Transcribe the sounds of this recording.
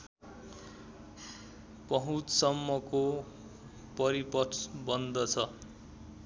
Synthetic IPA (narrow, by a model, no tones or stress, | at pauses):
pʌɦũt͡ssʌmːʌko | pʌɾipʌsbʌnd̪ʱʌt͡sʰʌ